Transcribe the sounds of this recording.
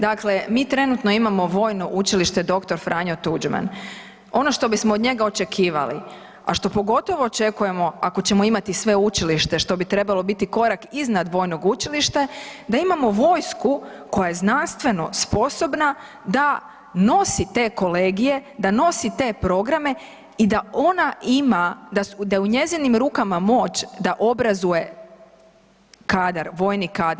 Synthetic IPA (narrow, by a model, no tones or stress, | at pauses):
d̪akle̞miːt̪ɾe̞nut̪no̞imamo̞ʋo̞ːjnoʔut͡ʃiliʃt̪e̞d̪o̞kt̪o̞ɾfɾʔaɲo̞t̪ud͡ʒma̰n | o̞no̞ʃt̪o̞bismoːd̪ɲe̞ɡao̞t͡ʃe̞kʰiːʋa̰lḭ | a̰ʃt̪o̞po̞ɡo̞t̪o̞ʋo̞ːt͡ʃe̞kuje̞mo̞ako̞t͡ɕe̞mo̞imat̪isʋeut͡ʃiliʃt̪e̞ʃt̪o̞bit̪ɾe̞balˠo̞bit̪iko̞ɾakiznad̪ʋo̞jno̞ɡut͡ʃiliʃt̪ed̪aimamo̞ʋo̞ːjsku | ko̞jaje̞znanst̪ʋe̞no̞spo̞so̞bna | d̪a | no̞sit̪e̞ːko̞le̞ːɡije̞d̪ano̞sit̪e̞ːpɾo̞ɡɾame̞ | id̪ao̞naimad̪ad̪ajeuɲe̞zinimɾuːkamamo̞t͡ʃd̪aʔo̞bɾazuje̞ | kaːd̪aɾʋo̞jnikaːd̪ɾ